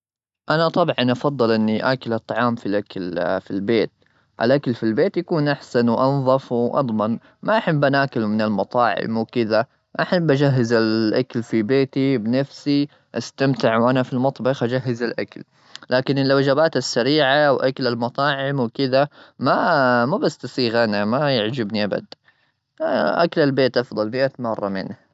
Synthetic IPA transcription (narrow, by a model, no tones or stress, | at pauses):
ʔanat̪ˤɑbʕɑnʔɑfɑd̪ˤːɨlʔɪnːiʔakalʔɑt̪ˤːɑʕɑːmfilʔakalfilbeːt̪̚ | ʔa̰lʔakalfilbeːt̪jakuːnʔaħsanwʔɑnðˤɑfwʔɑ̰d̪ˤmɑn | maʔaħabːʔanʔakalmɪnalmɑt̪ˤɑːʕɪ̰mwkɪða | maʔaħabːʔad͡ʒaɦːɪzalʔakalfibeːt̪ibɪnafsi | ʔast̪amt̪ɪʕwʔanafilmɑt̪ˤbɑxʔad͡ʒaɦːɪzalʔa̰kal | lʔaːkɪnɪlːawd͡ʒabaːt̪asːaɾiːʕawʔakalalmɑt̪ˤɑːʕɪmwkɪðamamabasːt̪ɑsiːɣanamajɪʕd͡ʒɪbniʔaba̰d̪ | ʔa̰kalalbeːt̪ʔɑfðˤɑlmɪʔamɑrˤːɑmɪ̰n